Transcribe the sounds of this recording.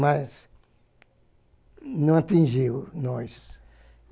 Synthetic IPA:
mɐz | nɐ̃w̃at̪ĩʒiwnɔs

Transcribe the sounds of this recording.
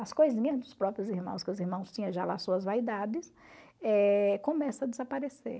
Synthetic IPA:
ɐskojzĩɲɐzd̪ʊspɾɔpɾjʊziɾmɐ̰̃w̃skɪʊziɾmɐ̃w̃st͡ʃ̪ĩɲɐ̃ʒala̰suɐzvaid̪ad͡ʒɪsɛkõmɛsɐɐd̪ɪzapaɾesḛɾ

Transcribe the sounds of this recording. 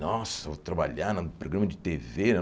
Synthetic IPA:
nɔsɐvot̪ɾɐbaʎaɾnɐpɾoɡɾɐ̃mɐd͡ʒɪt̪evenɛ

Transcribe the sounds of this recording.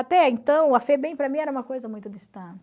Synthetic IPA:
at̪ɛẽnt̪ɐ̃w̃ɐfɛbẽj̃pɾɐmĩɛɾɐũmɐkojzɐmũj̃t̪ʊd̪ist̪ɐ̃nt̪ɪ

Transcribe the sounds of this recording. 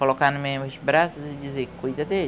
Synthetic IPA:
kolokanʊmemʊsbɾasʊzɪd͡ʒizekujd̪ɐd̪e

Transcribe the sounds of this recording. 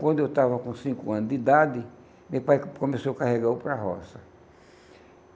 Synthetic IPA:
kwɐ̃nd̪ʊewt̪avɐkõsĩkʊɐ̃nʊzd̪id̪ad̪ɪ | mepajkomesowkaheɡawpɾaɦɔ̰sɐ

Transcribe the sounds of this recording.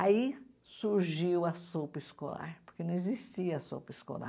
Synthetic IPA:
aisuɾʒiwɐsopɐiskola̰ɾpoɾkenɐ̃ezist͡ʃiɐɐso̰wpɐisko̰la̰

